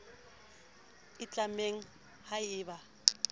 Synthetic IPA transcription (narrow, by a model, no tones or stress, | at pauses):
ɪt͡ɬʼameŋ̩ | haɪːba